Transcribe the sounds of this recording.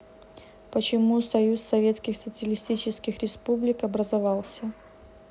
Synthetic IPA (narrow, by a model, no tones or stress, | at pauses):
pət͡ɕɪmusɐjusːɐvʲe̞t̪skʲɪxsət̪sɨəlʲɪsʲtʲit͡ɕɪskʲɪxɾʲɪspublʲɪkɐbɾəzɐvɑlˠsʲə